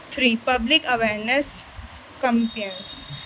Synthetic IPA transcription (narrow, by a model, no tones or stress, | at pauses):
t̪ʰɾiːpɐblikɐʋeːɾnes | kə̃mpens